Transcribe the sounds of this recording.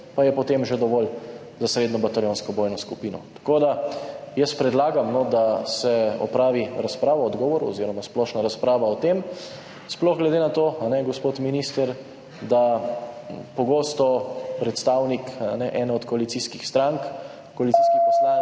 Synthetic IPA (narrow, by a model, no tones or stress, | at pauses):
pajɛpɔt̪emʒed̪ɔʋɔl | zasɾeːd̪nɔbat̪aljõnskɔbɔːjnɔskupiːnɔ̰t̪ḁkoːd̪ajəspɾɛd̪laːɡamnɔd̪asɛɔ̰pɾaːʋiɾaspɾaːʋɔɔd̪ɡɔːʋɔɾuɔ̰ziɾɔmasplɔʃnaɾaspɾaːʋaɔt̪em | splɔɣɡlɛd̪enat̪oːanɛɡɔspot̪minist̪əɾ | d̪a | pɔɡoːst̪ɔpɾɛt̪st̪aːwnika̰nɛʔɛnɔɔt̪kɔalit̪siskixst̪ɾaŋk | kɔalit̪siːskipɔsla